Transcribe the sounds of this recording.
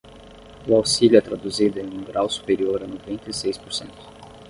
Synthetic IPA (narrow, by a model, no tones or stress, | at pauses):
uawsilʲʊɛt̪ɾad̪uzid̪ɐẽũɡɾawsu̥peɾioɾɛnʊvẽjnt̪ɪsejspʊɾsḛ̃nt̪ʊ̥